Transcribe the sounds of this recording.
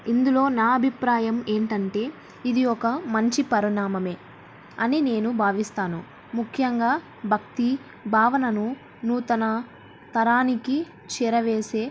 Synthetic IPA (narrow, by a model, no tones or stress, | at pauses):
ind̪ulo̞ːnaːɐbʱipɾaːjɐme̞ːɳʈɐɳʈe̞ː | id̪iɔkɐmɐɲt͡ʃipɐɾinaːmɐme̞ː | ɐnine̞ːnubʱaːʋist̪aːnṵ | mukʰːjɐŋɡaː | bʱɐk̚t̪i | bʱaːʋɐnɐnu | nuːt̪ɐnɐ | t̪ɐɾaːniki | t͡ʃiːɾɐʋeːse̞ː